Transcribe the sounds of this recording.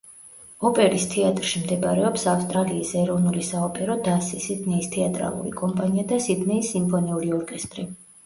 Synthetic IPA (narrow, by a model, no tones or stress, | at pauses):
ɔpʼɛɾist̪ʰɛat̪ʼɾʃimd̪ɛbɾɛɔpsafst̪ʼɾaliːsɛɾɔvnulisaɔpʼɛɾɔd̪asisid̪nɛist̪ʰɛat̪ʼɾa̰lˠṵɾḭkʼɔmpʼaniad̪asid̪nɛisːimpʰɔniuɾiɔɾkʼɛst̪ʼɾi